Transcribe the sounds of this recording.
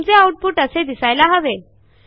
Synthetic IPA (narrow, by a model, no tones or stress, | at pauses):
md͡zeawʈ̚puʈəsed̪isajlaɦəʋe